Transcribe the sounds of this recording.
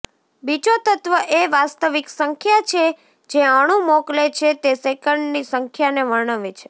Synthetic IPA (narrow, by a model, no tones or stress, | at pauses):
bid͡ʒot̪ət̪ʋəʔeʋast̪əʋiksəŋkʰjat͡ʃʰe | d͡ʒeaɽ̃ũmoklet͡ʃʰet̪esekəɳɖnisəŋkʰjaneʋəɭɳəʋet͡ʃʰe̥